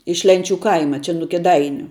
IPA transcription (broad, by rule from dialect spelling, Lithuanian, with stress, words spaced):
ɪʃ ˈlʲɛnʲˌt͡ʃʲuː ˈkɐɪmɐ t͡ʃʲɛ nʊ kʲeːˈdɐɪnʲʊ